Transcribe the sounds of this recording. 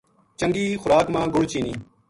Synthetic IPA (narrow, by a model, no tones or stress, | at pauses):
t͡ʃəŋɡiːxʊɾaːkmãːɡʊɽt͡ʃiːniː